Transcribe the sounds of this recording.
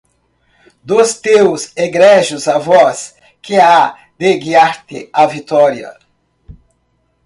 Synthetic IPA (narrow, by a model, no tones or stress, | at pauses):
d̪ʊst̪ewseɡɾɛʒʊzavɔs | kɪa | d̪eɡiaɾt̪ɪavit̪ɔɾiɐ̰